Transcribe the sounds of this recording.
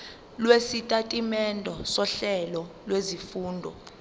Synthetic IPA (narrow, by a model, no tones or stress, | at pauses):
lwesitʼatʼimɛndʱɔsɔɬɛlɔlwezifuːndʱɔ̰